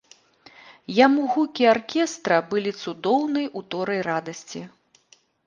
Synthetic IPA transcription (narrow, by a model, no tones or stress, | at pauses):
jamuɣukʲiarkʲɛst̪ɾɐbɨlʲit̪sud̪ɔwnɨjʔut̪ɔɾɐjrad̪ɐsʲt͡sʲi